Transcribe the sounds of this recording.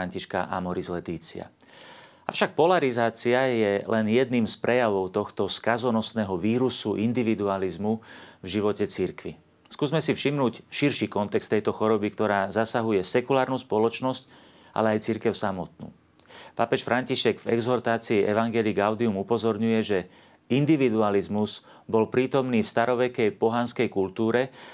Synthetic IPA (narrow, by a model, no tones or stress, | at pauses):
aɲciʃka̰ʔa̰mɔɾizlɛt̪iːt͡sia̰ | a̰fʃak̚pɔlaɾizaːt͡siajɛlʔɛnjɛd̪niːmspɾɛjaʋɔʊt̪ɔxt̪ɔskazɔnɔsnɛːɦɔʋiːɾusuʔind̪iʋid̪ualizmuvʒiʋɔcɛt͡siɾkʋi | skuːzmɛsifʃimnuːcʃiɾʃiːkɔnt̪ɛkst̪ɛjt̪ɔxɔɾɔbikt̪ɔɾaːzasaɦujɛsɛkulaːɾnuːspɔlɔt͡ʃnɔsc | ʔa̰lɛajt͡siɾkɛʊsamɔt̪̚nṵː | papɛʃfɾʔaɲciʃɛɡvɛ̰ɡzɔɾt̪aːt͡siːʔɛʋaŋɡɛliɡaʊd̪iumupɔzɔɾɲujɛʒɛ | ind̪iʋid̪ualizmuz̥ | bɔlpɾiːt̪ɔmniːfst̪aɾɔʋɛkɛjpɔɦanskɛjkult̪uːɾɛ